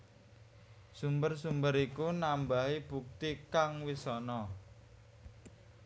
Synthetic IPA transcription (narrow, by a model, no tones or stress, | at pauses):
sumbərsumbəɾikunambaɦib̥uk̚t̪ikaŋwisɔnɔ